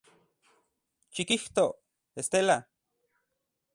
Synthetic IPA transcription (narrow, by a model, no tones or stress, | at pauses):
t͡ʃikiht̪o | est̪ela